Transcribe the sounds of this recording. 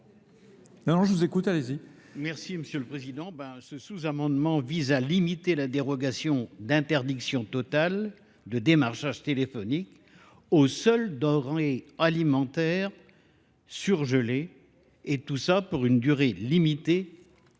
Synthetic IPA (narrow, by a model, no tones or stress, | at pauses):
nɔ̃nɔ̃ʒəvuzekut̪alezi | mɛʁsiməsjøləpχezid̪ɑ̃bãsəsuzamɑ̃d̪mɑ̃vizalimit̪elad̪eʁɔɡasjɔ̃d̪ɛ̃t̪ɛʁd̪iksjɔ̃t̪ɔt̪al | d̪əd̪emaʁʃaʒt̪elefɔnik | osœld̪ɔʁealimɑ̃t̪ɛːʁ | syʁʒəle | et̪usapuʁynd̪yʁelimit̪e